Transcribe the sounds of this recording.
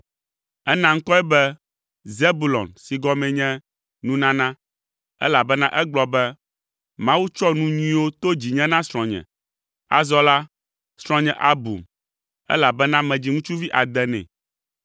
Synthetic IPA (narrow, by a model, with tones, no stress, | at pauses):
ɛ˦nã˦ŋ̩˦kɔ˦ɛ˦bɛ˦ | ze˦bu˨lɔ̰˨nsi˨ɡɔ˦mɛ̃˨ɲɛ̃˦ | nũ˦nã˦nã˦ | ɛ̰˦la˨bɛ˦nã˦ʔɛ˦ɡ͡blɔ˨bɛ˦ | mã˦wu˦t͡ʃɔ˦nũ˦ɲĩ˦wo˦t̪o˦d͡ʑi˨ɲɛ̃˦nã˦sɾ̃ɔ̃˨ɲɛ̰̃˨ | a̰˨zɔ˦la˦ | sɾ̃ɔ̃˦ɲɛ̃˨ʔa˦bṵ˨m | ɛ̰˦la˨bɛ˦nã˦mɛ̃˨d͡ʑi˨ŋũ˦t͡ʃu˦vi˦ʔa˨d̪ɛ˦nɛ̰̃˨